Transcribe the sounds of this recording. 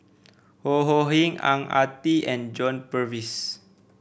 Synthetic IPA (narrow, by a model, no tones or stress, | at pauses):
hoɦoɦĩŋã̰ŋa̰t̪iɛ̃nd͡ʒɔ̃npəvis